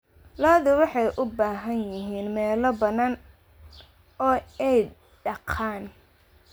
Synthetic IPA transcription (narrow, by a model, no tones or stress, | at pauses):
lɔːðɪwɑħɑjʔʊbaːɦɐnjɪɦiːnmɛːlɔbɐnaːn | ɔːɛj | ɖɑqʰaːn